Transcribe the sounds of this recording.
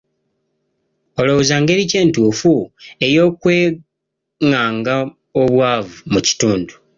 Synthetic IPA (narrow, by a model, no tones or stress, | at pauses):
olowzaŋɡe̞ɾice̞ːntuːfue̞jo̞ːkwe̞ː | ŋaːŋɡa | oβwaːvumuci̥tuːndu